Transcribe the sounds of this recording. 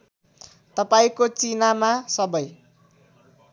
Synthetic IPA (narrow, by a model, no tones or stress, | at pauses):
t̪ʌpaĩkot͡sinamasʌbʌj